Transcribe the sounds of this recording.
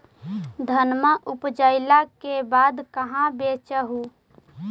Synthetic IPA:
d̪ʱənməʔʊpd͡ʒəɪlakebaːd̪kəɦãbeːt͡ʃəɦu

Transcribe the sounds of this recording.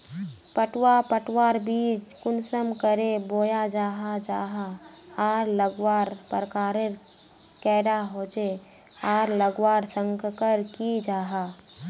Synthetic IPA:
pəʈwapəʈwaːɾbiːd͡ʒkʊnsəmkəɾeboːjad͡ʒaːɦad͡ʒaːɦa | aːɾləɡwaːɾpəɾkaːɾeɾ | kɛːɽaɦoːt͡ʃe | aːɾləɡwaːɾsə̃ŋɡkəɾkid͡ʒaːɦaː

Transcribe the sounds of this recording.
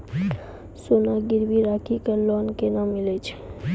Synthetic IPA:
sonaɡiɾbiɾakʰikəlɔnkenamilet͡ʃʰe̥

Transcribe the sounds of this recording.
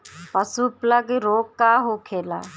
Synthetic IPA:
pəsupləɡɾoːkːaːɦokʰeːla̰ː

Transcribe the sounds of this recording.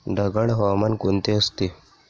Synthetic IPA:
ɖʱɐɡɐɽɦoːmɐnkunt̪eɐst̪i

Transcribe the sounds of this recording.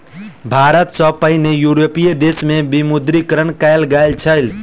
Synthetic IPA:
bʱaɾət̪səpəɦɪnejuɾopijed̪esmebimud̪ɾikɾənkajlɡəjlt͡ʃʰəjl

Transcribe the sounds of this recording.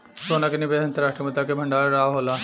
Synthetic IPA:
soːnakenɪbed̪ɐnt̪əɾaːʂʈɾimʊt̪akebʱɐɳɖaːɭɾaːʋɦola

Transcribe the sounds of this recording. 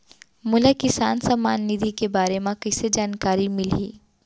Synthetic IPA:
mʊlakɪsaːnsamaːnːid̪ʱikebaːɾemãkɐsed͡ʒaːnkaːɾimɪlḭː

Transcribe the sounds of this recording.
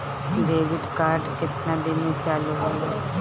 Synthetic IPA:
ɖeːʋɪɖkaːɾɖkɪt̪nãːd̪enũːt͡ʃalɦole

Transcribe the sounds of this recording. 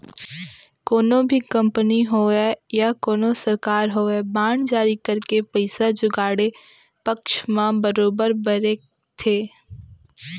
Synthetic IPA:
koːnõbʱikɐ̃mpəniɦoejakoːnosɐɾkaːɾɦoːebaːɳd͡ʒaːɾikɐɾkepəɪsad͡ʒʊɡaːɽe | pɐkʃmãbəɾoːbəɾbəɾeːk | t̪ʰeː

